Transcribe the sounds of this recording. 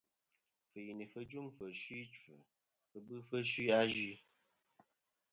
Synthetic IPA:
fə˨ji˨ni˨fə˦d͡ʒu˦ŋfə˨ʃwi˦t͡ʃfə˨ | fə˨bɨ˦fə˦ʃwi˦a˦d͡ʒi˦

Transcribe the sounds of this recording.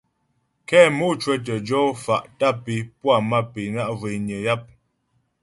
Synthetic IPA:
kɛ˦˨mu˦t͡ʃwɛ˦t̬ə˨d͡ʒɔ˦fa˨ʔta˦pi˨pwa˦˨ma˦pi˨na˦ʔve˨ɲə˨ja˦p̚

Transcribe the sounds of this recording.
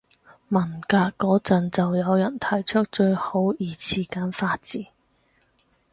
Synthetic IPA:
mɐ˨˩nkaː˧kːɔː˨˥t͡sɐ˨nt͡sɐ˨wjɐ˨˧wjɐ˨˩nt̪ʰɐ˨˩jt͡ʃʰɵ˥k̚t͡ʃɵ˧ɥho˨˥wjiː˨˩t͡sʰiː˨˩kaː˨˥nfaː˧t̚t͡siː˨˥

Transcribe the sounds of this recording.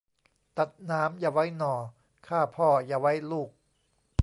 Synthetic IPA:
t̪a˨˩t̪̚naː˦˥mjaː˧wa˦˥jnɔː˨˩ | kʰaː˥˩pʰɔː˥˩jaː˧˩wa˦˥jluː˥˩k̚

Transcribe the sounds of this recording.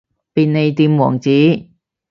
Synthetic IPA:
piː˨nne˨˧jt̪iː˧mwɔ̰ː˨˩ŋt͡siː˨˥

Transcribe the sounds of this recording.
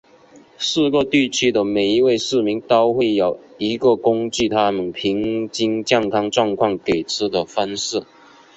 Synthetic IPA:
ʂɹ̩˥˧kɤ˥˧t̪i˥˩t͡ɕʰy˥d̪ə˨me˨˩ɪi˧˥we˥˧ɪʂɻ̩˥˩mi˧˥ŋt̪o˥ʊxwe˥˩ɪjo˨˩ʊi˧˥ɡə˨kʊ˥ŋt͡ɕy˥˩t̪ʰa˥mə˨npʰi˧˥ŋt͡ɕi˥ŋt͡ɕjɑ˥˧ŋkʰɑ˥ŋʈ͡ʂwɑ˥˧ŋkʰwɑ˥˩ŋke˨˩ɪt͡sʰɹ̩˥d̪ə˨fa˥ns̩˥˩

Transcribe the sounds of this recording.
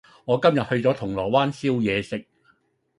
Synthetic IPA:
ŋɔː˨˧kɐ˥mjɐ˨t̚hɵ˧ɥt͡sɔː˨˥t̪ʰʊ˨˩ŋlɔː˨˩waː˥nsiː˥wjɛː˨˧sɪ˨k̚

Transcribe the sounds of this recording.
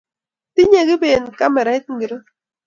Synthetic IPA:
ti˦ɲe˨ɡi˦be˨nka˦mɛ˨ɾa˨ɪ˦t̪̚ŋ˦ɡi˨ɾo˦

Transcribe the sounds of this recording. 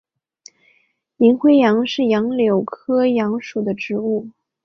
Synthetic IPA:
i˧˥ŋxwe˥ɪjɑ˧˥ŋʂɻ̩˥˩jɑ˧˥ŋljo˨˩ʊkʰɤ˥jɑ˧˥ŋʂu˨˩d̪ə˦ʈ͡ʂɻ̩˧˥u˥˩

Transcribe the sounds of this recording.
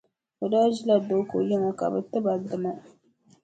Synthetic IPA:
bɨ˨daː˦d͡ʒi˦la˨do˨˦ko̰˨jɪ˦ŋo˨ka̰˨bɨ˨tɨ˦ba˨dɨ˨ma˦

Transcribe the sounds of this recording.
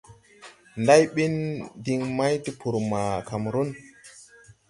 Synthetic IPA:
nda˦jɓi˦ndi˧ŋma˦jti˦pʰu˨ɾma˨ka˨mɾu˦n

